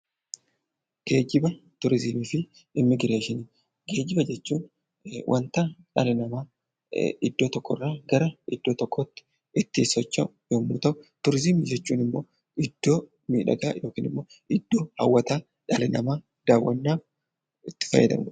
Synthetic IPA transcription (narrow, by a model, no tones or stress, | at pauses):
ɡ̥e̞ːd͡ʒɪbɐt̪ʊɾɪzɪmiːfɪ | ɪmːɪɡɪɾeːʃɪniː | ɡe̞ːd͡ʒɪbɐd͡ʒɛt͡ʃːuːn | wʔɐ̰nt̪aᶑɐlɪnɐmaː | ɪd̪ːo̞ːt̪ɔkːɔ̰rːaːɡɐɾɐɪd̪̥ːo̞ːt̪ɔkʰːɔt̪ːɪ̥ | ɪt̪ːiːsɔt͡ʃːɐʊjoːmːuːt̪ɐʔʊt̪ʊɾɪzɪmɪd͡ʒɛt͡ʃːuːnɪmːo̞̰ː | ɪd̪̥ːo̞ː | mḭːᶑɐ̰ɡaːjoːkiːnɪmːoː | ɪd̪ːo̞ːhɐ̰wːɐt̪aː | ᶑɐlɪnɐmaː | d̪̥aːwːɐnːaː | ɪt̪ːɪ̥fɐ̰jːɛd̪ɐ̰m